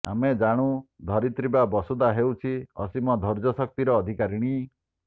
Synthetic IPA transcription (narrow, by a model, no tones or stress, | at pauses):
a̰med͡ʒaɽ̃ũd̪ʱɔɾit̪ɾibabɔsud̪aɦewt͡ʃʰiɔ̰simɔd̪ʱɔɾd͡ʒɔsɔk̚t̪iɾɔːd̪ʱikaɾiɽ̃i